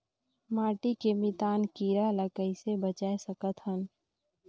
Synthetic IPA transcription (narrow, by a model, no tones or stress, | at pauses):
maːʈikemɪt̪aːnkiːɾaləkəisebət͡ʃaːesəkət̪ɦən